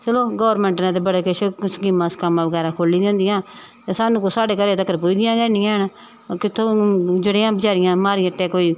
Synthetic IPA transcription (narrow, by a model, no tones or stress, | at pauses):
t͡ʃəloːɡɔːɾmɛ̃ːɳʈnãːt̪̬eːbəɽeːkeʃsɡɪmãːskəmãːbəɡɛːɾãːkʰoːliːd̪ẽːnd̪ɪjãː | t̪eːsaːnũːkosaːɖeːkəɾeːt̪əkəɾpuiːd̪ɪjãːɡɛːnɪ̃ãːn | kɪt̪ʰːõːd͡ʒəɽeːãːbəd͡ʒaːɾɪjãːmaːɾiəʈːeːkoːiː